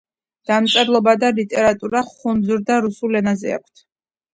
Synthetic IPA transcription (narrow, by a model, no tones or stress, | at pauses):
d̪̥amt̪sʼɛɾlˠɔbad̪alit̪ʼɛɾat̪ʼuɾaχunzuɾd̪aɾusulɛnazɛ̰a̰kʷʰt̪ʰ